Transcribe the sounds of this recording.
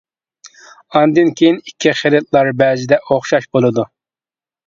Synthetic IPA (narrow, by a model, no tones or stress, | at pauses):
ɑnd̪ɨnkʲʰejinikʲʰːiχelɪt̪̚lˠɑɾbɛzɪd̪ɛʔoχʃɑʃbolˠɨd̪u